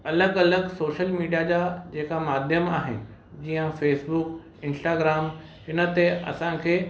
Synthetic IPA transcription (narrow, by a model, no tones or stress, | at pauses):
ɐləɡɐləɡsoːʃəlmiːɖijad͡ʑaːd͡ʑeːkamaːd̪ʱjəmaːɦɪ̰nɪ̆ | d͡ʑiːjə̃feːsbʊk | ɪ̃nsʈaːɡɾaːm | hɪnə̆t̪eɐ̰sãkʰeː